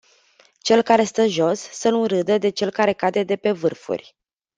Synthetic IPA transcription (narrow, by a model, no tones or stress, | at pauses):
t͡ʃe̞lkaɾe̞st̪əʒo̞sːənuɾɨd̪əd̪e̞t͡ʃe̞lkaɾe̞kad̪e̞d̪e̞pe̞vɨrfṵrʲ